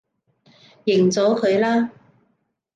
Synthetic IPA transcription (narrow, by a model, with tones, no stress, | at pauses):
jɪ˨˩ŋt͡sɔː˨˥kʰɵ˨˧ɥlaː˥